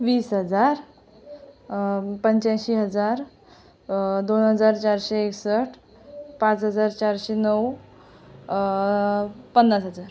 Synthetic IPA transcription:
ʋiːsɦəd͡zaɾ | pəɲt͡ɕãɕiːɦəd͡zaɾ | d̪onɦəd͡zaɾt͡ɕaɾɕeːksəʈʰ | pãt͡sɦəd͡zaɾt͡ɕaɾɕenəw | pənːasɦəd͡zaɾ

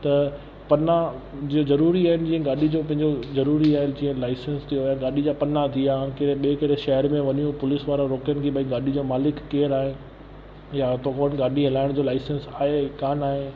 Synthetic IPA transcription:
t̪ɐ | pɐnad͡ʑiːozɐɾuːɾiaːɦɪnɪ̆d͡ʑiːə̃ɡaːɗid͡ʑopɐ̃ɦɪ̃ɲd͡ʑozɐɾuːɾiaːɦɪnd͡ʑiːɦə̃nlaːɪsə̃nst̪ʰijojãɡaːɗid͡ʑapɐnat̪ʰiaːɦɪnkɪɽeɓekɐɽeʃɛɦəɾmẽʋɐɲijũpʊlɪsʋaːɾaɾoːkənɪ̆kʰeːɓɐĩɡaːɗid͡ʑoːmaːlɪkːeːɾaːɦɪn | jat̪ʰokoːnɡaːɗiɦɐlaːɪɽ̃d͡ʑoːlaːɪsə̃nsaːɦekaːnaːɦɪ

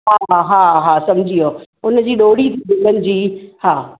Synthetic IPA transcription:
ɦaːɦaːɦaːsɐmd͡ʑʱijo | ʊn̆d͡ʑiːɗoːɽit̪ʰibɪ̃nd̪ənɪ̆d͡ʑiːhaː

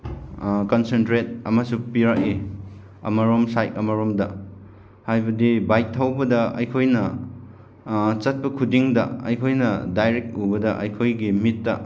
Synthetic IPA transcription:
konsentɾet̚ɐ̰mɐsupiɾaki | ɐ̰mɐɾomsajkɐmɐɾomdɐ | hajbɐdibajk̚tʰːawbɐdɐɐ̰jkʰojnɐ | t͡ʃɐt̚pɐkʰudiŋdɐ̰ɐ̰jkʰojnɐdajɾek̚tubɐdɐʔɐ̰jkʰojɡimitːɐ

